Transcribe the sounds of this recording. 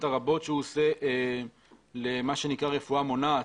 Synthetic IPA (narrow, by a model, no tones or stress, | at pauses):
taʁabo̞tʃeuoseʔ | lemaʃe̞nikʁaʁe̞fuamo̞na